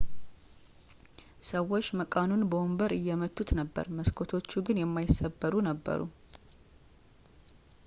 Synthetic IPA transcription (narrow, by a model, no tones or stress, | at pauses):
səwo̞t͡ʃːməkʼanunbəwombəɾɨjːɛmət̪ʼːut̪nəbːə̰ɾməskʰo̞t̪ʰo̞t͡ʃːuɡɨnjɛmːajɪsːəbːəɾunəbːə̰ɾṵ